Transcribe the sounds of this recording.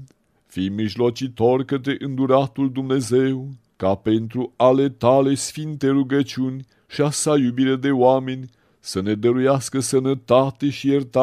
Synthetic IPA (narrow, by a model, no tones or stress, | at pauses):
fijmiʒlo̞t͡ʃit̪o̞rʲkət̪ɾeʔɨnd̪uɾat̪uld̪umne̞ze̞w | kape̞nt̪ɾuale̞t̪ale̞sfint̪e̞ruɡət͡ʃiunʲ | ʃiasajubiɾed̪e̞oame̞nʲ | səne̞d̪əɾujaskəsənət̪at̪e̞ʃijert̪a